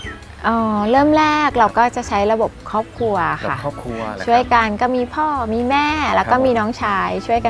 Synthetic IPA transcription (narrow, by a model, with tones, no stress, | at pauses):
ʔɔː˧˩ɾɤː˥˩mlɛː˥˩k̚ɾa˧wkɔː˥˩t͡ɕa˨˩ʔt͡ɕʰa˦˥jɾa˧bo˨˩p̚kʰɔː˥˩p̚kʰɾu˧ɐʔa˨˩xʰa̰˥˩t͡ɕʰu˥˩əjka˧nkɔː˥˩miː˧pʰɔː˥˩miː˧mɛː˥˩lɛː˦˥wkɔː˥˩miː˧nɔː˦˥ŋt͡ɕʰaː˦˥jt͡ɕʰu˥˩əjka˧